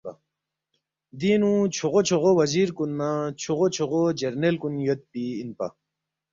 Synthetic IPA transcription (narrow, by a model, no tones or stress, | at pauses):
d̪inũt͡ɕʰoʁot͡ɕʰoʁowɐziːɾkunːat͡ɕʰoʁot͡ɕʰoʁod͡ʑeɾnelkunjot̪̚piːnpa̰